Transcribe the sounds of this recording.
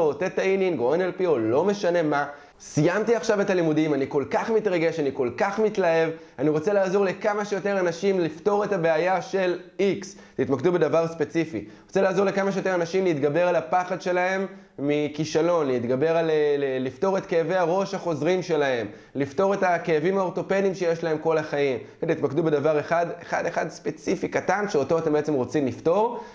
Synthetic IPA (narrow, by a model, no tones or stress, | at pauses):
ot̪et̪aininɡoenelpiolo̞me̞ʃane̞ma | sijamt̪iaχʃavetalimudimaniko̞lkaχmit̪ʁaɡe̞ʃaniko̞lkaχmitlae̞v | aniʁo̞t͡se̞laːzo̞ʁlekamaʃejo̞t̪e̞ʁanaʃimlifto̞ʁe̞tabe̞ajaʃe̞liks | t̪it̪makd̪ube̞davaʁspe̞t͡sifḭʁot͡se̞laːzo̞ʁlekamaʃejote̞ʁanaʃimliit̪ɡabe̞ʁalapaχad̪ʃe̞lahe̞mː | ikiʃalo̞nliːt̪ɡabe̞ʁallift̪o̞ʁe̞t̪kejave̞jaʁo̞ʃhaχo̞zʁimʃe̞laɦe̞m | lift̪o̞ʁe̞takejavimhao̞ʁt̪o̞pe̞dimʃejeʃlae̞mko̞laχaim | t̪it̪makd̪ube̞davaʁeχadeχa̰deχadspe̞t͡sifikatanʃeo̞to̞at̪e̞mbeet͡semʁo̞t͡simlifto̞ʁ